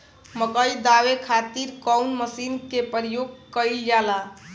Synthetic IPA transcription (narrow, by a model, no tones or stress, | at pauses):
məkəid̪awekʰat̪iɾkɔwnməsinkepəɾijoɡ̚kəjld͡ʒala